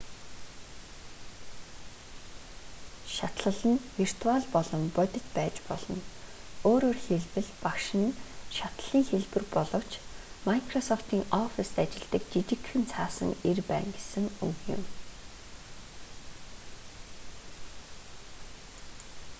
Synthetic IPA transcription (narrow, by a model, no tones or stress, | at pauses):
ʃat̪ɮə̆ɮə̆nwir̥t̪ʰuaɮpɔɮɞ̆mpœt̪ʲɪ̆t̪pæːt͡ɕpɔɮ̥ɞ̰̆noːɾoːrxeɮpɘ̆ɮpakʃɪ̆nʃat̪ɮ̥iːŋxeɮpɘ̆rpɔɮɞ̆w̥t͡ɕmakʰrɔsɔft̪iːŋɔfist̪at͡ɕɪ̆ɮt̪ə̆k̚t̪it͡ɕɪ̆kʰːɘ̆nt͡sʰaːsə̰̆ŋerpæ̰ːŋɡesɘ̆ŋɵ̰wjɪ̰̆m